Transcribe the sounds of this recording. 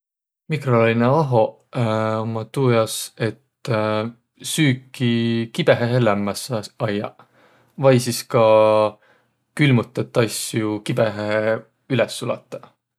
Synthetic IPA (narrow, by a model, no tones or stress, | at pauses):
mikrolɑijneɑɦo̞ | omɑt̪uːjɑse̞t̪ | syːkːikib̥e̞ɦeɦelæmːɑsɑjːɑ̰ | vɑjsiskɑ | kylmut̪ːˑɑt̪ːˑɑsjukibeɦe | ylɛsːulɑ̰t̪ːˑɑ̥